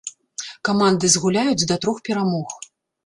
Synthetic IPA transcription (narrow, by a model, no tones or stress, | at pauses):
kamand̪ɨzɣulʲajud͡zʲd̪ɐt̪ɾɔxpʲɛɾamɔx